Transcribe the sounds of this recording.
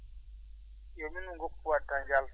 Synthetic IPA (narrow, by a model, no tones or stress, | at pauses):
jominuŋɡokʼupuwatʰaŋd͡ʒal